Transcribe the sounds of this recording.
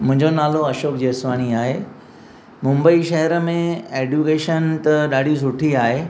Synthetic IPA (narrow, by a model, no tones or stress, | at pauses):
mʊ̃ɦɪ̃ɲd͡ʑonaːloɐʃoːk̚d͡ʑiːsʋaːɽ̃iaːɦeː | mʊ̃mbəiʃɐɦəɾəmẽeːd͡ʑukeːʃənt̪ɐɗaːɖʱis̬ʊʈʰiaːɦeː